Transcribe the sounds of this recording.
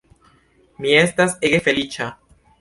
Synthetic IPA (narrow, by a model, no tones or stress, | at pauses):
miest̪aseɣefelit͡ʃa